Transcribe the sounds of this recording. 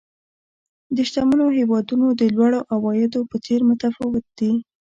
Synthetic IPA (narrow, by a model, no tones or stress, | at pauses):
d̪əʃt̪amənoɦewɑd̪unod̪əlwɑɽoʔawɑjɪd̪opət͡seɾmʊt̪afɑwɪt̪̚d̪̥i